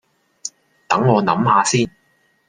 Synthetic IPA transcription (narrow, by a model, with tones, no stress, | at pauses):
t̪ɐ˨˥ŋːɔː˨˧nɐ̰˨˥mhaː˨˧siː˥n